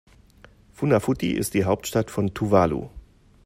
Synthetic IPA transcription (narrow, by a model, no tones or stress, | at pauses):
funafutḭʔɪ̰std̥iːɦaʊp̚tʃtatfɔntʰuvaːlṵ